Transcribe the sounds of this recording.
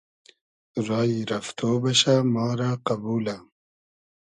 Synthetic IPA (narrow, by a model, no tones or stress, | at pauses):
ɾɑːiɾɐft̪ʰoːbɐɕamɑːɾaqɐbuːla